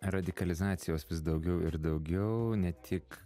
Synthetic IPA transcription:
ɾɐd̪ʲɪkɐlʲɪzɑːt̪sʲɪjoːsʋʲɪsd̪ɐʊɡʲɛʊɪɾd̪ɐʊɡʲɛʊnʲɛt̪ʲʰɪk

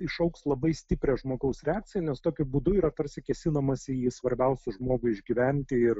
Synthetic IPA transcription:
ɪʃɐʊkslˠɐbɐɪsʲt̪ʲɪpʲɾʲɛʒmoːɡɐʊsɾʲɛɑːk̚tt͡sʲɪjɛnʲɛst̪oːkʲʊbuːd̪ʊiːɾɐt̪ɐɾʲsʲɪkʲɛsʲɪnɐmɐsʲɪiːsʋɐɾʲbʲɛʊsʲʊʒmoːɡʊɪʒʲɡʲiːʋʲænʲt̪ʲɪɪr

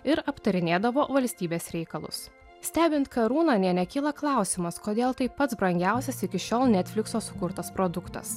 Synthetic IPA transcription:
ɪɾɐpt̪ɐɾʲɪnʲeːd̪ɐʋoːʋɐlʲsʲt̪ʲiːbʲeːsɾʲɛɪkɐlˠʊ̰s | sʲt̪ʲæːbʲɪnt̪kɐɾuːnɐnʲiɛnʲɛkʲiːlˠɐklˠɑˑʊsʲɪmɐskoːd̪ʲeːlˠt̪ɐɪpɐt̪sbɾɐŋʲɡʲæˑʊsʲɛsɪkʲɪʃʲoːlˠnʲɛːt̪ʲfʲlʲɪksoːsʊ̥kʊɾt̪ɐspɾod̪ʊkt̪ɐ̰s

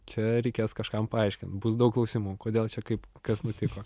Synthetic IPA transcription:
t͡ʃʲɛɾʲɛɪkʲeːskɐʃkɐmpɐɐɪʃʲkʲɪnt̪bʊsd̪ɐʊklˠɐʊsʲimuːkoːd̪ʲeːlˠt͡ʃʲɛkɐɪpkɐsnʊt̪ʲɪkoː

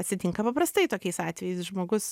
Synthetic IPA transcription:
ɐt̪ʲsʲɪt̪ʲɪŋkɐpɐpɾɐst̪ɐɪt̪oːkʲɛɪsɑːt̪ʲʋʲɛjɛɪsʒmoːɡʊs

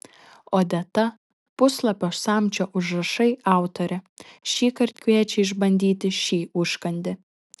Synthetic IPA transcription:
oːd̪ʲɛt̪ɐ | pʊslˠɐpʲoːsɑːˑmʲt͡ʃʲoːʔʊʒɾɐʃɐɪɑˑʊt̪oɾʲɛ | ʃʲiːkɐɾʲt̪̚ʲkʲʋʲiɛt͡ʃʲɛɪɪʒbɐnʲd̪ʲiːt̪ʲɪʃʲiːʊʃkɐnʲd̪ʲɪ

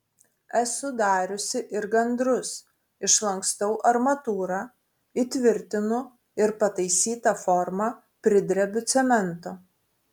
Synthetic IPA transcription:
ɛsʊd̪ɑːɾʲʊsʲɪʔɪɾɡɐnd̪ɾʊs | ɪʃlˠɐŋkst̪ɐʊʔɐɾmɐt̪uːɾɑː | it̪ʲʋʲɪɾʲt̪ʲɪnʊ | ɪɾpɐt̪ɐɪsʲiːt̪ɐfɔɾmɐ | pʲɾʲɪd̪ʲɾʲɛbʲʊt̪sʲɛmʲɛnt̪o

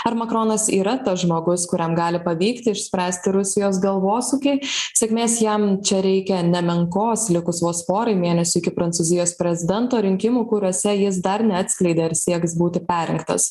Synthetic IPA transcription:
ɐɾmɐkɾoːnɐsiːɾɐt̪ɐsʒmoːɡʊskʊɾʲɛmɡɑːlʲɪpɐʋʲiːkt̪ʲɪɪʃsʲpʲɾʲæːsʲt̪ʲɪɾʊsʲɪjoːs̬ɡɐlˠʋoːsuːkʲɛɪsʲɛkʲmʲeːsjɛmt͡ʃʲɛɾʲɛɪkʲɛnʲɛmʲɛŋkoːslʲɪkʊsʋoːspoːɾɐɪmʲeːnʲɛsʲuɪkʲɪpɾɐnt̪suːzʲɪjoːspʲɾʲɛzʲɪd̪ʲɛnt̪oːɾʲɪŋʲkʲɪmuːkʊɾʲuɔsʲɛjɪs̬d̪ɐɾnʲɛɐt̪ʲsʲklʲɛɪd̪ʲeːɐɾsʲiɛksbuːt̪ʲɪpʲæːɾʲɪŋkt̪ɐ̰s

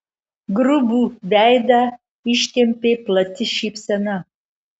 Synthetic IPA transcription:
ɡɾububʲæjd̪ɑ | iʃt̪ʲemʲpʲeplˠɐt̪ʲɪʃipsʲɛnɐ

